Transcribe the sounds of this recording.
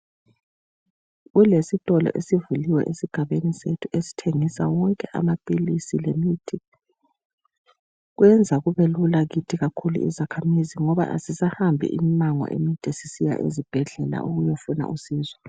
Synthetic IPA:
ɣulesitʼɔlɔ̰ʔesivuliwɛ̰ʔesiɡ̥ʱaβenisetʰuʔesi̥tʰeŋisa̰wɔŋkʼɛʔa̰mapʼilisilemiːtʰi | ɣwɛnd͡zʱaɣuβelulaɣitʰiɣakʰulṵḭzakʰamiziŋɔβa̰ʔa̰sizahambʱḭʔḭmmaŋɔ̰ʔḛmitʼesisija̰ʔḛzib̥ʱɛɮɛla̰ʔuɣujofuna̰ʔusiːzwa

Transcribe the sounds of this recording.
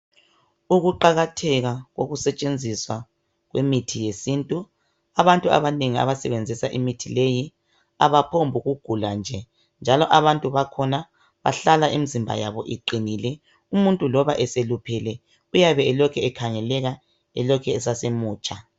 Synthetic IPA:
uɣuǃaɣatʰɛɣaɣoɣusɛt͡ʃʼend͡zʱiswa | ɣwemitʰijesintʼu | aβantʼua̰βaneŋia̰βasɛβend͡zʱisaʔimitʰileji | a̰βapʰombʱuɣuɡ̥ʱuland͡ʒʱɛ | nd͡ʒʱalɔʔaβantʼuβakʰɔna | βa̰ɬalaʔimizimbʱa̰ja̰βɔʔiǃinilɛ | umuntʼulɔβaʔɛselupʰɛlɛ | ujaβɛːlɔkʰɛɛkʰaŋɛlɛɣa | ɛ̰lɔkʰɛːsasemuːt͡ʃʼa

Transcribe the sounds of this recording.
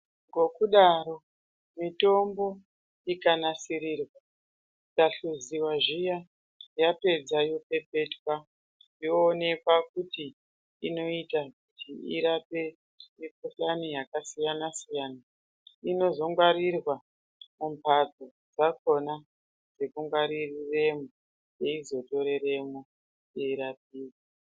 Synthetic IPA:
ŋɡo̞kuɗaɾo̞ | mito̞mbo̞ | ikanasiɾiːrwa | ikaɬuziwaʒija | jape̞d͡zajo̞pe̞pe̞twa | joːne̞kwakuti | ino̞itakutʰiiɾape̞ | jekoɬanijakasijanasijaːna | ino̞zo̞ŋɡwaɾirwa | mumpʰato̞ | d͡zako̞na | d͡ze̞kuŋɡwaɾirire̞mo | je̞izo̞to̞ɾe̞ɾe̞mo | jeiɾap̚iːka

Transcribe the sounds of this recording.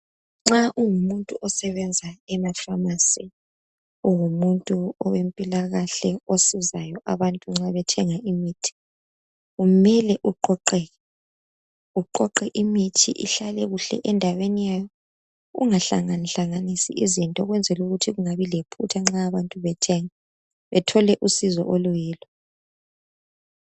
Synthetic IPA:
ŋ͡ǁaʔuŋumuntʼuʔɔsɛβɛnd͡zʱaɛmafamasi | uwumuntʼuɔwempʼilaɣaɬɛosizajɔʔaβantʼuŋ͡ǁaβɛtʰɛŋaʔimitʰi̥ | ɣumɛlɛʔuǃɔǃɛɣɛ | uǃɔǃɛʔimitʰḭʔḭɬalɛɣuɬɛ̰ʔɛndʱawenijajɔ | ɣṵŋaɬa̰ŋanɬaŋanisḭizintʼɔɣwɛnd͡zʱɛluɣutʰiɣuŋaβilepʰutʰaŋ͡ǁaːβantʼuβɛtʰɛŋa | βɛtʰɔlɛʔusizɔ̰ʔolujɛːlɔ

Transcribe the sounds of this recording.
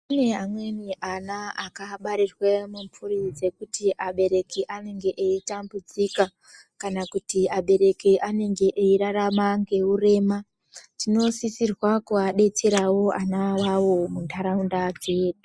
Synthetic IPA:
pane̞amwe̞niʔanaakaɓaɾirwemumpurid͡ze̞kutiʔaɓe̞ɾe̞kiʔane̞ŋɡe̞ʔeitambud͡zika | kanakutiaɓe̞ɾe̞kiʔane̞ŋɡe̞ʔeiɾaramaŋɡe̞ure̞ːma | tino̞sisirwakuaɗe̞teɾawo̞ʔanawawo̞muntaɾaundad͡ze̞ːɗu

